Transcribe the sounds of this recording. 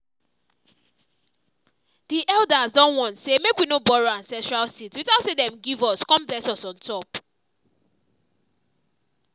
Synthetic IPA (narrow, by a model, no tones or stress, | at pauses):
diʔɛlˠdazdɔ̃nwɔ̃nsemekwinobɔɹoãnsɛ̃ntɹalsitswitatsedɛ̃mɡivɔskɔ̃mblɛsɔsɔ̃ntʰɔp